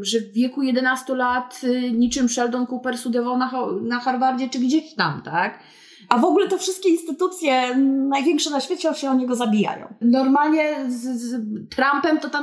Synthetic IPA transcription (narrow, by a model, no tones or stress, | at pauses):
ʐɛvːʲjɛkujɛd̪ɛnast̪ulat̪ɲit͡ʂɘmʂɛld̪ɔnkupɛɾsud̪ɛvɔwnaxnaxaɾvaɾd͡ʑɛt͡ʂɘɡd͡ʑɛɕt̪amt̪ak | ʔavɔɡulɛt̪ɔfʂɘst̪̚kʲeinst̪ɘt̪ut̪sʲjɛnajvʲjɛ̃ŋkʂɛnaɕfʲɛt̪t͡ɕɔ̃ɕɛɔɲɛɡɔzabʲija̰jɔ̰̃w̃nɔɾmalɲɛzt̪ɾampɛmt̪ɔt̪a